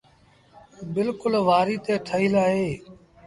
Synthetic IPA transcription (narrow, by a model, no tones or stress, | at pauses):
bɪlkʊlʋaːɾiːt̪eːʈʰəɦiːlaːɦeː